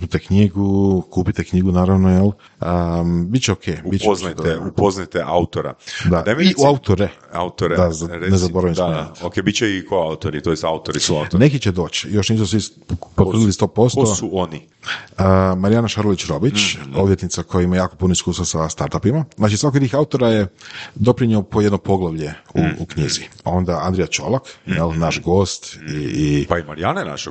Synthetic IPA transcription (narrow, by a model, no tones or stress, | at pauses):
mit̪ekɲiɡukuːpit̪ekɲiɡunaːɾaʋnojel | əbit̪̚t͡ɕeokʰeːbit̪aupoznat̪eʔaut̪oɾa̰d̪ameiaut̪oɾea̰ut̪oɾed̪anezaboɾaʋiokebit̪̚t͡ɕeikʰoaut̪oɾit̪ojest̪aut̪oɾisuane̞kit͡ɕed̪o̞ːt͡ɕjo̞ʃniːsusʋi | pot̪rilist̪o̞ːpo̞st̪ouoni | əmaɾijanaʃaɾolit͡ɕɾo̞bit͡ɕo̞ʋjet̪nit̪sakʰo̞jaimajaːko̞punoiskuːst̪asast̪aɾt̪apimaznaːt͡ʃisʋakojt̪iːxaut̪o̞ɾaje̞d̪o̞pɾiɲeopoje̞d̪nopo̞ɡlˠaʋʎeuṵkɲizio̞nd̪aand̪ɾijat͡ʃo̞̰lakjelˠnaʃɡo̞ːst̪iipaimaɾijanana̰ʃe